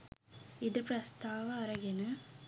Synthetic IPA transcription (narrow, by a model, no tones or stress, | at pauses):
id̪ɨprɐst̪aːʋɐɐɾɐɡenɨ